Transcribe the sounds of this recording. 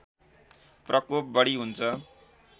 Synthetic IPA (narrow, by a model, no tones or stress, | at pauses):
prʔʌkop̚bʌɽiɦunt͡sʰʌ